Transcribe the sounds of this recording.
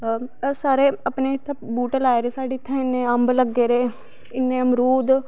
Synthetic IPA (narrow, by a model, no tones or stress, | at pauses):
saːɾeːəpneːt̪ʰːabuːʈəlaːeɾeːsaːɖiːt̪ʰːãːɪnːẽːəmbləɡːeːɾeː | ɪnːẽːəmɾuːd̪